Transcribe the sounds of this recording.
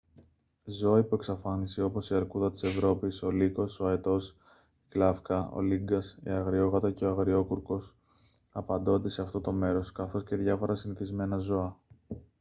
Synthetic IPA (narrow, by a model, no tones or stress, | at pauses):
zo̞ipue̞ksɐfɐniseo̞po̞siɐɾkuðɐt̪i̥se̞vɾo̞piso̞liko̞so̞et̪o̞s | iklɐfkɐo̰liŋɡɐsḭɐɣɾio̞ɣɐt̪ɐce̞ɐɣɾio̞kuɾko̞s | ɐpɐnd̪o̞nd̪e̞se̞ɐft̪o̞t̪o̞me̞ɾo̞skɐθo̞sce̞ðʝɐfo̞ɾɐsiniθizme̞nɐzo̞ɐ